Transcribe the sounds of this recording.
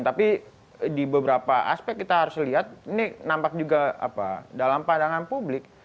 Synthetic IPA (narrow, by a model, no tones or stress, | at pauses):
t̪api | dibəbəɾapaʔa̰spɛk̚kːit̪aɦaɾʊsliɦat̪̚ininampak̚d͡ʒuɡaa̰pa̰dalampandaŋanpublɪk̚